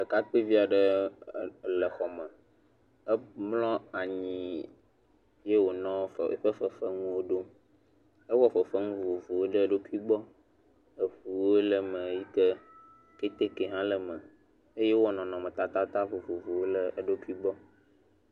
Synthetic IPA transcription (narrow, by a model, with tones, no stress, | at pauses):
lə˨ka˦k͡pe˦vi˦a˨ɖə˦˨ | lə˨xɔ˨mə̃˨ | ə˦mlɔ̃˦a˨ɲĩ˨ | je˦wo˨nɔ̃˦fɸə˦fə˨fə˦ŋũ˦wo˦ɖo˦ | ə˦wɔ˦ɸə˨fə˦ŋũ˦vo˨vo˨wo˦ɖə˦ɖo˦ku˦i˦ɡ͡bɔ˦ | ə˨ɸu˨wo˦lə˨mə̃˨ji˦kə˦ | ke˦t̪e˦ke˨ɦã˦lə˨mə̃˨ | e˦je˦wɔ˦nɔ̃˨nɔ̃˨mə̃˨t̪a˦t̪a˦t̪a˦vo˨vo˨vo˨wo˦lə˦ɖo˦ki˦ɡ͡bɔ˦